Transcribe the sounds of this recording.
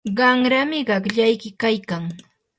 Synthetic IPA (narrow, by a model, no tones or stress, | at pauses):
ɢɑŋɾamɪɢɑkʎajkɪkajkaŋ